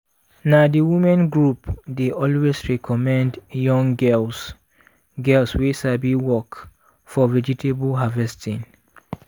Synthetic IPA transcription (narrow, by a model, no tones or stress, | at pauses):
nadiwimãnɡɹupdeʔɔlwesɹɛkʰɔmɛ̃ndjɔ̃ŋɡɛls | ɡɛlswesabiwɔk | fɔvɛd͡ʒitʰebəlɦavɛstʰĩn